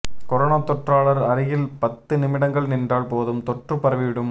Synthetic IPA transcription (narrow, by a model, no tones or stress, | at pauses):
kɔɾɐːnaːt̪ːɔʈraːɭɐɾɐɾɪjɪlpɐt̪ːɯnɪmɪɽɐŋɡɐɭnɪndraːɭpoːðɯmt̪ɔʈrɯpːɐɾɐʋɪʋɪɽɯm